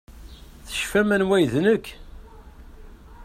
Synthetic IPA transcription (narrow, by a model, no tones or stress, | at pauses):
θə̥ʃfæmænwæjðnəkː